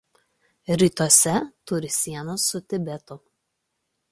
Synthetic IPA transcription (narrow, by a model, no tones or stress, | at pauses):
ɾʲiːˑt̪uɔsʲɛt̪ʊɾʲɪsʲiɛnosːʊt̪ʲɪbʲɛt̪ʊ